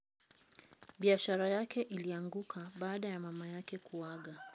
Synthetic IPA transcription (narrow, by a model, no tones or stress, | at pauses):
ɓiaʃaɾajakʰɛʔiliaŋɡukʰaɓaːɗajamamajakɛkuwaɠa